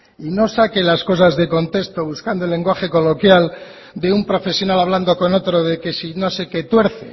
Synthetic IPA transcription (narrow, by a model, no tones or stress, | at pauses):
ino̞sake̞lasko̞s̬azðe̞ko̞nt̪e̞st̪o̞βuskand̪olːe̞ŋɡwaxe̞ko̞lo̞kjal | d̪e̞umpɾo̞fe̞sjo̞nalaβ̞land̪oko̞no̞t̪ɾo̞ðe̞ke̞sino̞se̞ke̞t̪we̞ɾθḛ